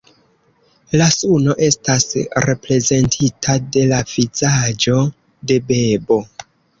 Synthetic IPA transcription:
lasuno̞ʔe̞stasɾe̞pɾe̞ze̞ntʰitʰade̞lav̥izad͡ʒo̞ | de̞be̞bo̞

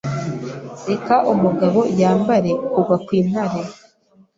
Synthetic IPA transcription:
ɾe̞kaʔumuɡaβo̞jaːmbaɾe̞kuvakwiːn̥haɾe

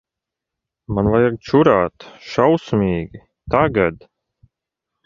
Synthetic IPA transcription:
manvajaɡ̚t͡ʃuɾaːt̪ʃawsmʲiːɡʲi | t̪aɡad̪

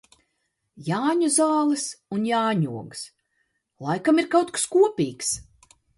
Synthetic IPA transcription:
jaːɲuzaːlˠɨsunjaːɲuɔɡɨs | lˠajkamiɾkawt̪kḁskuɔpʲiːks

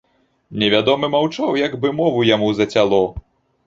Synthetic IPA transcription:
nʲɛvʲad̪ɔmɨmawt͡ʂawjɐɡbɨmɔvujamuzɐt͡sʲalˠɔ

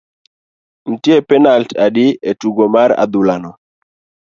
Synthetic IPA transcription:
n̩tjepɛnaltadɪetuɡomaɾa̰d̪ʊlanɔ

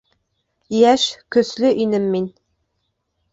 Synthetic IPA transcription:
jæʃkɵ̆slɘʔinɘmːin

